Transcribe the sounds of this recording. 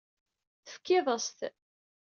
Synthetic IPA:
θəfkːɪðˤəst̪

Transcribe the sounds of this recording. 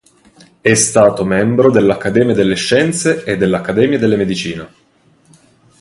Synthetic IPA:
ɛst̪aːt̪omɛmbɾod̪elːakːad̪ɛːmjad̪elːeʃːɛnt̪seed̪ːelːakːad̪ɛːmjad̪elːemed̪it͡ʃiːne

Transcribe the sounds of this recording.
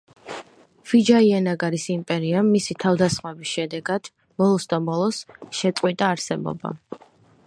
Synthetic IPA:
v̥id͡ʒaiɛnaɡaɾisimpʼɛɾiamːisit̪ʰavd̪asχmɛbisʃɛd̪ɛɡad̪̥ | mɔlˠɔsd̪amɔlˠɔsʃɛt̪sʼqʼwit̪ʼaːɾsɛbɔ̰ba̰

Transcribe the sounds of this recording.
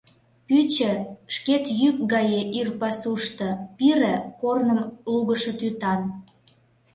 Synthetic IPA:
pyt͡ɕə̆ʃket̪jyk̚ɡɑjeʔirpɑsuʃt̪ɤ̆piɾə̆kornəmluɣəʃɤ̆t̪yt̪ɑn

